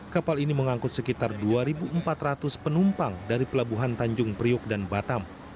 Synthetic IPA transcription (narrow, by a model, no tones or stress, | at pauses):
kapaliniməŋaŋkʊt̪̚səkit̪arduaɾibuʔəmpat̪rat̪ʊspənumpaŋdaɾipəlabuɦant̪aɲd͡ʒʊŋpɾiʊk̚danbat̪am